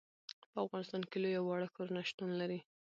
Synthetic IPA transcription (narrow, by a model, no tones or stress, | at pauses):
pəafɣɑnɪst̪ɑnkelojawɑɽəkoɾunaʃt̪unlaɾi